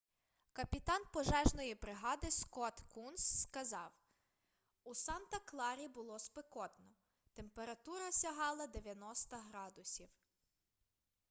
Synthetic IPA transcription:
kɐpʲit̪ɑnpɔʒɛʒnɔjibɾɪɦɑd̪ɪskɔt̪kunsːkɐzɑw | usɑnt̪ɐklˠɑɾʲibʊlˠɔspekɔt̪nɔ | t̪empeɾɐt̪uɾɐsʲɐɦɑlˠɐd̪eʋʲjɐnɔst̪ɐɦɾɑd̪ʊsʲiw

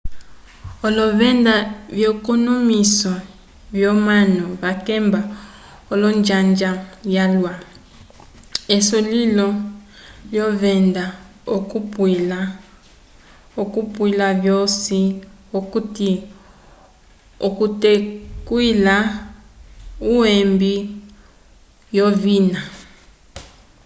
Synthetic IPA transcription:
ɔlɔvɛndaβjɔkonomisɔ | vjɔmanɔβakɛmba | ɔlɔnd͡ʒand͡ʒajalwa | esolilɔ | ljɔvɛnda | okupwila | okupwilavjosiokuti | okutekwila | uwembi | jovina

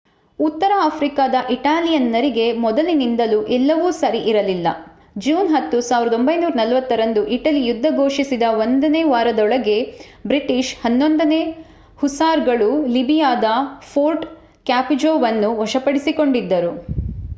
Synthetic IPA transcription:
ut̪ːɐɾɐaːpʰɾikad̪ɐʔiʈaːlijɐnːɐɾiɡe̞mɔd̪ɐlinind̪ɐluʔɛlːɐʋuːsɐɾiʔiɾɐlilːɐ̰ | d͡ʒuːnɦɐt̪ːusaːʋiɾɐd̪o̞mbɐjnuːɾɐnɐlʋɐt̪ːɐɾɐnd̪uʔiʈɐlijud̪ʱːɐɡo̞ːʂisid̪ɐʋond̪ɐneːʋaːɾɐd̪ɔɭɐɡe̞bɾiʈiʃhɐnːo̞nd̪ɐne̞ː | husaːɾɡɐɭulibijaːd̪ɐpʰoːɾʈ | kaːpid͡ʒoːʋɐnːuʋɔʂɐpɐɽisiko̞ɳɖid̪ːɐɾu

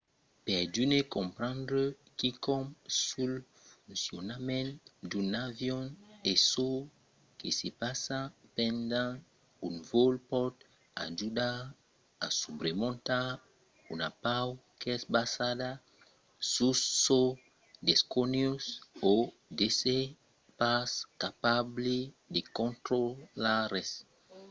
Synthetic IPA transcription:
pɛʁdynekɔ̃mpɾãndɾə | kikɔmsul | fũnsjonamɛ̃ndunavjɔneso | kesepasapɛ̃nd̪ã | unvolpɔt̪ | a̰ʒuda | a̰subɾemõnt̪a | unapawkeɛsbasada | susːo | d̪eskonjuso | d̪ese | paskapable | d̪ekõnt̪ɾolaɾes

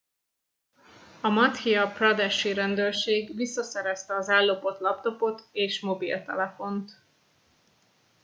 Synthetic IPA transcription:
ɒmɒt̪hiɒprɒd̪ɛʃiɾɛnd̪øːrʃeːɡvisːɒsɛɾɛst̪ɛɒzɛlːo̞po̞t̪lɒpt̪o̞po̞t̪eːʃmo̞bḭlt̪ɛ̰lɛfo̞nt̪

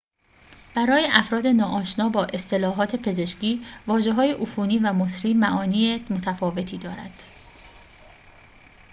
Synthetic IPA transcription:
b̥æɾɒːje̞ʔæfɾɒːd̪e̞nɒːʔɒːʃnɒːbɒːʔe̞st̪ʰe̞lɒːɦɒːt̪ʰe̞pʰe̞ze̞ʃciːvɒːʒe̞ɦɒːje̞ʔufuːniːvæmosɾiːmæʔɒːniːemot̪ʰæfɒːve̞t̪ʰiːd̪ɒːɾæ̰d̪̥

